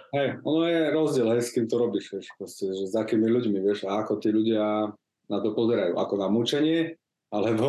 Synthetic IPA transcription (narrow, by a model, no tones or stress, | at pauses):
ɦɛjɔnɔjɛɾɔzɟɪɛlɦɛjskiːmt̪ɔɾɔbiʃʋɛʃpɾɔscɛʒɛzakiːmiʎuɟmiʋɪɛʃaakɔt̪iːʎuɟɪa | nat̪ɔpɔzɛɾajṵːʔa̰kɔnamut͡ʃɛɲɪɛ | alɛbɔ